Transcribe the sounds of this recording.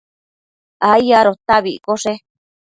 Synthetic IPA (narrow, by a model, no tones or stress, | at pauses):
aijaɾot̪aβikoʂe